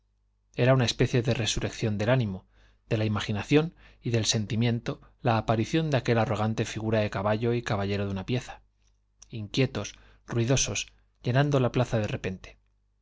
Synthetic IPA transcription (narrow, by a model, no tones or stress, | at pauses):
e̞ɾaunae̞spe̞θje̞ðe̞re̞suɾe̞kθjo̞nd̪e̞lanĩmo̞ | d̪̥e̞laimaχinaθjo̞n | iðe̞lse̞nt̪imjẽ̞nt̪o̞laːpaɾiθjo̞nd̪eake̞laro̞ɣ̞ant̪e̞fiɣ̞uɾaðe̞kaβaʎo̞ikaβaʎe̞ɾo̞ðunapje̞θḁ | iŋkje̞t̪o̞s | ruiðo̞so̞s | ʝe̞nand̪o̞laplaθaðe̞re̞pe̞nt̪e̥